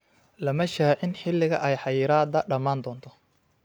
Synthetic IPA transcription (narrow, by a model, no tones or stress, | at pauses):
lɐmɐʃaːʕɪnħɪlːɪɣɐʔɛjħɑjɪːɾaːd̪ɐɖɐmaːnd̪ɔːnt̪ʰɔ